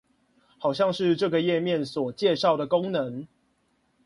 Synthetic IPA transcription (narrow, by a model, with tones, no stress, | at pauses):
hɑ˨˩ʊɕjɑ˥˧ŋʂɻ̩˥˧ʈ͡ʂɤ˥˨ɡə˨jɛ˥˨mjɛ˥˨nswɔ˨˩t͡ɕjɛ˥˧ʂɑ˥˩ʊd̪ə˩ko˦ŋnə˨˦ŋ